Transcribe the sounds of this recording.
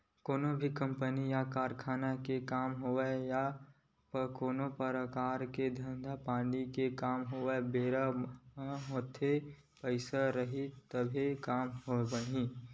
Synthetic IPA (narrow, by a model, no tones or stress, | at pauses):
koːnobʱikə̃mpənijakaːɾkʰaːnakekaːmɦoeja | pəkoːnopəɾəkaːɾked̪ʱə̃nd̪ʱapãːɳɖikekaːmɦoebeːɾa | moːt̪ʰe | pəɪsaɾəɦit̪əbʱikaːmɦobəɽĩ